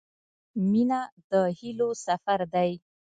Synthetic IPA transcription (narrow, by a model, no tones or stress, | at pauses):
minad̪əhilosafaɾd̪aj